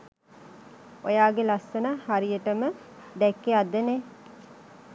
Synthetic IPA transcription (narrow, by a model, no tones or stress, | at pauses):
ojaːɡelasːənəhaɾijəʈəmə | d̪ɛkːead̪ːəne